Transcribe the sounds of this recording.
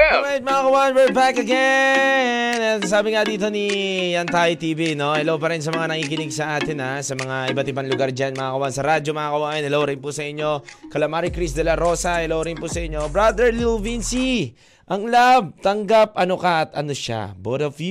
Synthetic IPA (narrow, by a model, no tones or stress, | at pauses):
ajt̪̚mɐakɐwanwɛɹbakɐɡɛnnɛsaːbɪŋad̪iːt̪o̞nijɐnt̪ajot̪iːbino̞ɛlowpɐɾɛns̬ɐmɐŋanɐŋiːkɪnɪɡsɐʔaːt̪ɪnasɐmɐŋaʔɪbɐt̪ɪbanlʊɡaɾd͡ʒanmɐŋakɐwansɐɾad͡ʒo̞mɐakɐwaːʔɐnɛlowɾɪnpusɐʔɪɲːo̞kɐlɐmaɾikɾisd̪ɐlɐɾosɐɛlowɾɪnpusɐʔɪɲːo̞bɹad̪ɛɹlvinsi | ʔɐŋlab̚t̪ɐŋɡap̚ʔɐnokaʔɐt̪ɐ̰noʃa̰bot̪ofj